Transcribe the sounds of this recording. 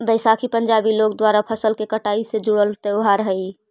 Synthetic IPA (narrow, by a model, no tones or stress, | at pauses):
bəɪsakʰipə̃nd͡ʒaːbiloːk̚d̪waːɾapʰəsəlkekəʈaːised͡ʒʊɽəlt̪eoɦaːɾɦɛi